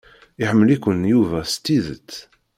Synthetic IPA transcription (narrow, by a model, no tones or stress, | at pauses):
ɪħəmːəlikʷːənjuvæst̪ːiðə̰t͡sː